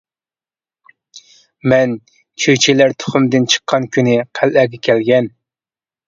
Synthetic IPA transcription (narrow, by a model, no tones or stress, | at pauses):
mɛn | t͡ʃʰøjt͡ʃʰilæɾt̪ʰʊ̥χʊmd̪ɨnt͡ʃʰə̥qʰːɑnkʲʰynɪqʰælʔæɡʲɛkʲʰɛlɡʲɛn